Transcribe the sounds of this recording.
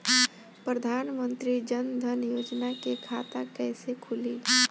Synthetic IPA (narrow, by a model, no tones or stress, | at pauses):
pɾəd̪ʱanmənt̪ɾid͡ʒənd̪ʱənjod͡ʒnakekʰat̪akəjsekʰuli